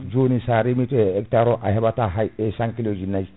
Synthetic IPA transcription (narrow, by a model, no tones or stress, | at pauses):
d͡ʒonisaːɾimitɛɛktaɾɔʔaɦɛbataɦajesãŋkilod͡ʒinːaji